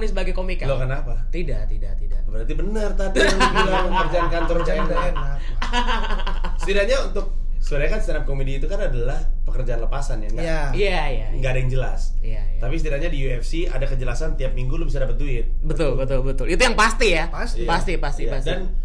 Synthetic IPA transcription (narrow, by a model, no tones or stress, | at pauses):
nisəbaɡajkomikalokənapat̪idaʔt̪idat̪idabəɾat̪ibənərt̪adiailapəərd͡ʒaankant̪ɔɾd͡ʒadaenak | sət̪idaɲaunt̪ʊk̚ | suaɾaɲakanst̪anap̚komediːt̪ukanadalahpəkərd͡ʒaanləpasanjaŋɡajajajaŋɡaʔːdaŋd͡ʒəlasjajt̪apisət̪idaɲadiuɛfsia̰dakəd͡ʒəlasant̪iap̚miŋɡulʊhbis̬adapət̪̚duɪt̪̚bət̪ʊlbət̪ʊlbət̪ʊlit̪ujaŋpast̪ijapaspast̪ipast̪ipasdan